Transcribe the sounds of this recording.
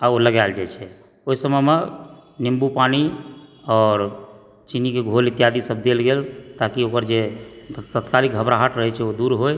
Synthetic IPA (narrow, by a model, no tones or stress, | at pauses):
aoləɡald͡ʒat͡ʃʰɛ | oisəməmenimbupaniɔːɾ | t͡ʃinikeɡʱolit̪jad̪isəb̚d̪elɡelt̪akiokəɾd͡ʒet̪ət̪kaliɡʱəbɾaɦaʈʰɾəɦɛt͡ʃʰɛod̪uɾɦoj